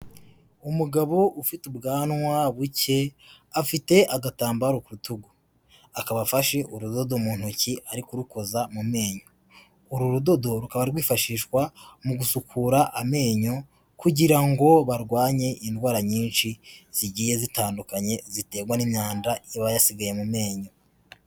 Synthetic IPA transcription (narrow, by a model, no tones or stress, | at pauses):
umuɡaβo̞ʔufitubɡaːnŋwaβuce̞ | afite̞ʔaɡataːmbaɾokuɾutuɡu | akaβafaʃe̞ʔuɾudo̞domuːn̥huciʔaɾikuɾuko̞zamume̞ːɲo̞ | uɾuɾudo̞do̞ɾukaβaɾiɾɡwiːfaʃiːʃwamuɡusukʰuɾaʔame̞ːɲo̞ | kuɟiɾaŋɡo̞βaɾɡwaːɲe̞ʔindwaːɾaɲiːnʃiz̥iɟiːje̞zitaːndukaɲe̞zite̞ːɡwanimɲaːndajaβajasiɡaje̞mume̞ːɲo̞